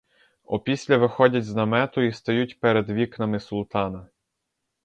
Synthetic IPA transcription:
ɔ̰pʲisʲlʲɐʋɪxɔdʲɐtʲznɐmɛt̪ʊist̪ɔjutʲpɛɾed̪ʋʲiknɐmɪsʊlˠt̪ɑnɐ

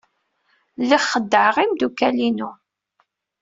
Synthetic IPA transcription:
liχːəd̪ːəʕʁimd̪ukælinu

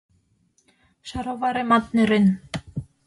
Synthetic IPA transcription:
ʃɑɾoβɑɾemɑt̪neɾen

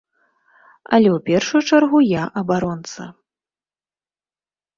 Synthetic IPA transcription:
ɐ̰lʲɛwpʲɛrʂujut͡ʂarɣujaʔɐbaɾɔnt̪sɐ̰

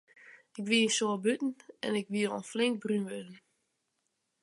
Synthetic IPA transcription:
ɪkʋiəsoəbytn̩ɛ̰nɪkʋiəɾo̰nflɪŋk̚brynʋɪdən̩

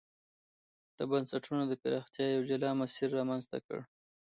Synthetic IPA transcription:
d̪̥əbansaʈunod̪əpɪɾɑxt̪jɑjawd͡ʒalɑmasiɾːɑmanzt̪a̰kə̰ɽ

